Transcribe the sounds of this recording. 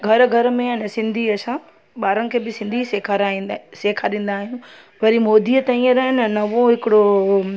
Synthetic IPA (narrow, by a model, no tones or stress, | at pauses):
ɡʱɐɾɡʱɐɾmẽɐnəsɪ̃nd̪ʱiɐsã | ɓaːɾənɪ̆kʰeːbɪsɪ̃nd̪ʱisekʰaɾãseːkʰaɗĩːn̆d̪aːɦijũ | ʋɐɾimoːd̪ʱiːət̪ɐĩəɾɐɦnənɐʋoɦɪkɪɽo